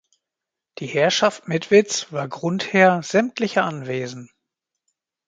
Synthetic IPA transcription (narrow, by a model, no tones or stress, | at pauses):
d̥iːhɛɐʃaftmɪtv̥ɪt͡sv̥aːɐɡʁʊntheːɐz̥ɛmtʰlɪçəʔanveːzn̩